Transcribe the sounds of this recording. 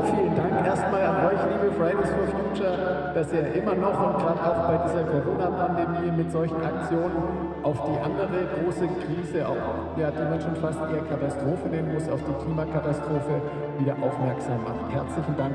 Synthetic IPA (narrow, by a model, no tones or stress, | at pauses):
fiːləndaŋkʔeːɐstmaːlanʔɔʏçliːbəfʁ̥aɪdeɪsfyːɐfjuːt͡ʃɐ | d̥asʔiːɐʔɪmɐnɔχɔnɡʁaːtaʊxb̥aɪdiːzɐkʰoʁoːnɐpʰandemiːmɪtz̥ɔlçn̩ʔak̚t͡sjoːnən | ʔaʊfd̥iːʔandəʁəɡʁoːsəkʁ̥iːzəʔa̰ʊx | jaːd̥iːmanʃoːnfastɪndeːɐkʰatastʁ̥oːfəneːmənmʊsa̰ʊfd̥iːkʰl̥iːmɐkʰatastʁ̥oːfə | viːdɐʔa̰ʊfmɛɐkz̥aːmːa̰χthɛɐt͡slɪçn̩daŋk